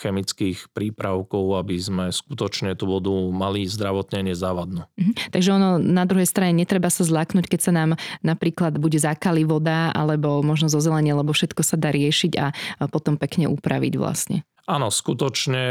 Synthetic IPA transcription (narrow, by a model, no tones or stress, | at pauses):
xɛmit͡skiːxpɾiːpɾaʊkɔʊabizmɛskut̪ɔt͡ʃɲɛt̪uʋɔd̪umalizd̪ɾaʋɔt̪ɲɛɲɪɛzaʋad̪num̩ɦ̩t̪aɡʒɛɔnɔnad̪ɾuɦɛjst̪ɾaɲɛɲɛt̪ɾɛbasazlaːknuckɛcsanaːmnapɾiːklad̪buɟɛzakaliʋɔd̪aʔa̰lɛbɔmɔʒnɔzɔzɛlɛɲɪɛlɛbɔfʃɛt̪kɔsad̪aːɾɪɛʃiɟa̰pɔt̪ɔmpɛkɲɛʔṵpɾaʋḭɟʋla̰sɲɛ̰ | aːnɔskut̪ɔt͡ʃɲɛ